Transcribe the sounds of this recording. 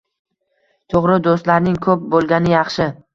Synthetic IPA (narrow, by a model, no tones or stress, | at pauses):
t̪ʰoʁɾɪd̪ost̪laɾnɪŋkʰɵp̚bolˠɡʲanɪjɑχʃɪ